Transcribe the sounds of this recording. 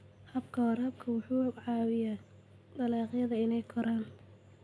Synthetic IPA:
hɐbkʰɐwɐɾɐb̚kʰɐwʊħuːʕɑːwɪjaː | d̪ɐlaːqɪjɐðɐɪnɛjkʰɔɾaːn

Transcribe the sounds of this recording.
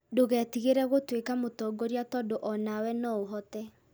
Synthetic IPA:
doɣɛtiɣeɾɛɣotwekamotɔːɡɔɾiatɔdoʔɔnawɛnɔoɦɔtɛ

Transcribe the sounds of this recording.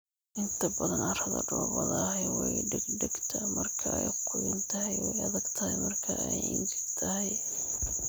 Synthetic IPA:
ʔɪnt̪ʰɐbɐðɐnɐrɐðɐ̰ɖɔːbɐðɐɦɛjwɛjɖɪɡɖɪɡt̪ʰɐmɐrkʰɐɛjqʰʊjɪnt̪ʰɐɦɛjwɛjɐðɐɡt̪ʰɐhɛjmɐrkʰɐɛjɪ̰nsɪt̪ʰɐɦɛj

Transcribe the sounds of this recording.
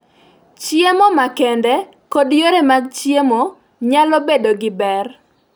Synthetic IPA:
t͡ʃjemomakɛndɛ | kodjoɾemaɡt͡ʃjemo | ɲalɔbedoɡɪbɛr

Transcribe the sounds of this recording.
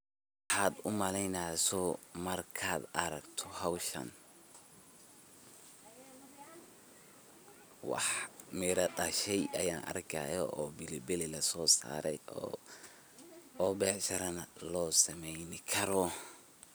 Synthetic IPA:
ħɑːd̪ʊmɐlɛjnasɔmɐrkʰaːd̪ɐɾɐɡt̪ʰɔɦawʃɐ̰n | wɑ̰ħmɪɾɐd̪ɐʃɛjʔɐjaːnʔɐ̰rkʰɐ̰jɔʔɔːbɪlɪbɪlɪlɐsɔːsa̰ːɾɛj | ɔːbɛːʕʃɐɾɐnɐlɔːsɐmɛjnɪkʰɐɾɔ

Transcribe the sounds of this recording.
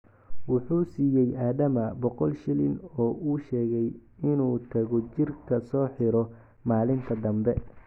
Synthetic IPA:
wʊħuːsiːjɛjʔaːðɐmɐbɔqɔlʃɪlɪnɔːʔuːʃɛːɣɛjɪnuːt̪ʰɐɣɔt͡ʃɪrkʰɐsɔːħɪɾɔ | maːlɪnt̪ʰɐd̪ɐmbɛ

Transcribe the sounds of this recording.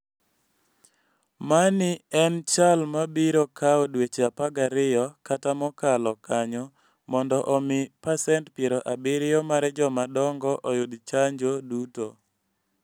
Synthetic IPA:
manɪɛnt͡ʃalmabiɾokʰaɔdwet͡ʃapaɡaɾɪjɔkatamɔkalɔkaɲɔ | mɔndɔʔɔmɪpasɛntpjeɾoʔabɪɾɪjɔmaɾɛd͡ʒɔmadɔŋɡɔʔɔjʊd̪t͡ʃaɲd͡ʒoduto

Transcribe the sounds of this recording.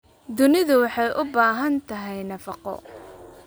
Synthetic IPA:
d̪ʊnɪðʊwɑħɑjʔʊbaːɦɐnt̪ʰɐɦɛjnɐfɑqɔ̰

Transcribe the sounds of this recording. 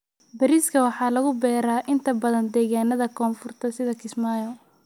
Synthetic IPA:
bɐɾiːskʰɐwɑħɑːlɐɣʊbɛːɾaːʔɪnt̪ʰɐbɐðɐnd̪ɛːɣaːnɐðɐkʰɔːnfʊrt̪ʰɐsɪðɐkʰɪsmaːjɔ

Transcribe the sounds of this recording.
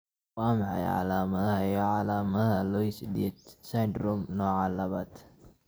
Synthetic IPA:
waːmɑħɑ̰jʕɑ̰laːmɐðɐhɐjɔʕɑlaːmɐðɐɦɐlɔjsɪd̪ɛːd̪sajd̪rɔmnɔːʕaːlɐβaːd̪

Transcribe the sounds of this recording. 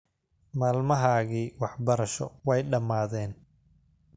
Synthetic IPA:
maːlmɐɦaːɣiːwɑħbɐɾɐʃɔ̰wɛjɖɐmaːðɛːn

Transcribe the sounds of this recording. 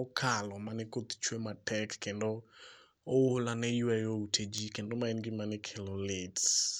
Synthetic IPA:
ɔkʰalɔmanɛkot̪t͡ʃwematɛkːendo | oolanɛjuɛjoutʰed͡ʒikendomaɛnɡɪmanɛkʰelolɪt

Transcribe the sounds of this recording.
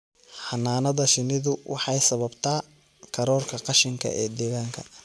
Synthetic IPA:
ħɑnːaːnɐðɐʃɪnɪðʊwʔɑ̰ħɑjsɐβɐbt̪ʰaː | kʰɐɾɔːrkʰɐqɑʃɪŋkʰɐ̰ʔɛːd̪ɛːɣaːŋkʰɐ

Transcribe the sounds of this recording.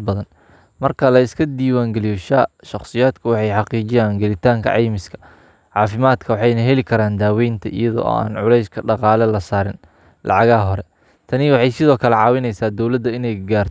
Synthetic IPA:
bɐðɐn | mɐrkʰɐlɐɪskʰɐd̪iːwaːŋɡɛlijʃaːʃɑχsɪjaːd̪kʰʊwɑħɑjħɑqiːt͡ʃɪjaːŋɡɛlɪt̪ʰaːŋkʰɐ̰ʕɑjmɪskʰɐ̥ | ʕɑːfɪmaːd̪kʰɐwɑħɑjnɐɦɛlɪkʰɐɾaːnd̪aːwɛjnt̪ʰɐʔɪ̰jɐðɔ̰ɔ̰ːa̰ːnʕʊlɛjskʰɐɖɑqɑːlɛlɐsaːɾɪn | lʔɑ̰ʕɑɣaːɦɔɾɛ | t̪ʰɐnɪwɑħɑjsɪðɔːkʰɐlɛʕɑːwɪnɛjsaːd̪ɔwlɐd̪ːɐɪnɛjɡaːrt̪ʰ

